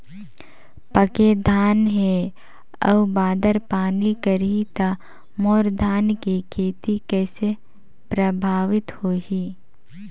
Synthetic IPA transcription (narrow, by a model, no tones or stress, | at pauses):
pəked̪ʱaːnɦe | ə̰ʋbaːd̪əɾpaːnikəɾit̪a | moːɾd̪ʱaːnkikʰeːt̪ikɛːse | pɾəbʱaːʋɪt̪hoːɦi